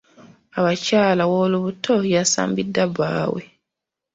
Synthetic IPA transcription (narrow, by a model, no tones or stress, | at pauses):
aβacaːlawoːluβutʰo̞jasa̰ːmbidːaβa̰ːwḛ